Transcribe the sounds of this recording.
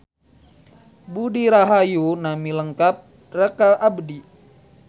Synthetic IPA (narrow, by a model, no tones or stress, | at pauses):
budiɾaɦajunamiləŋkap̚ | rəkalʔabdi